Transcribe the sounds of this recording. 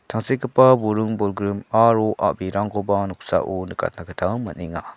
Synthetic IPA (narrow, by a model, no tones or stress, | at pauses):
tʰaŋsekɯpabuɾɯŋbɔlɡɾɯmaɾoʔa̰ʔbiɾaŋkɔbanuk̚sa̰ʔunɯkʰa̰t̚nakətʰawmaniŋa